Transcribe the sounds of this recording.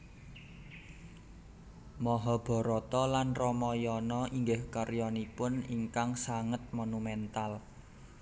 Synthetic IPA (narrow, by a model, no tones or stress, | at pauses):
mɔɦɔb̥ɔ̤ɾɔt̪ɔlanrɔmɔjɔnɔʔiŋɡɪhkarjɔnipʊniŋkaŋsaŋət̪̚monumɛnt̪al